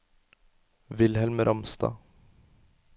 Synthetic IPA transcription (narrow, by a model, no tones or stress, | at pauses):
vɪlhɛlmɾʔɑmst̪ɑ̰ː